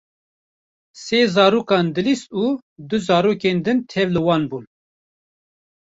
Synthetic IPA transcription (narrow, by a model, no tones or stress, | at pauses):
seːzɑːɾuːkɑːnd̪ɨlist̪uːd̪ɨzɑːɾoːkeːnd̪ɨnt̪ʰɛvlɨwɑːnbuːn